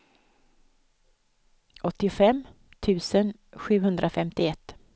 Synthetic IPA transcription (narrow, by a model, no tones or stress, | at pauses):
ʔɔt̪ːɪfɛmː | t̪ʰʉ̟ːsən | ɧʉ̟ːɦɵnd̪ɾʔafɛmt̪ɪɛt̪ː